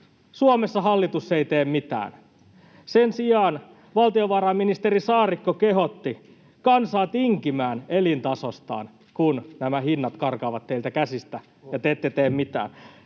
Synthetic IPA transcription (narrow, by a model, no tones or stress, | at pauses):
suomesːɑɦɑlːit̪usːeit̪eːmmit̪æ̰ːn | sensijɑːn | ʋɑlt̪ioʋɑːɾɑːmːinist̪eɾisɑːrikːokeɦot̪ːi | kɑnsɑːt̪iŋkimæːnelint̪ɑsost̪ɑ̰ːn | kunnæmæhinːɑt̪kɑrkɑːʋɑt̪ːeilt̪ækæsist̪æ | jɑt̪eːt̪ːet̪eːmmit̪æ̰ːn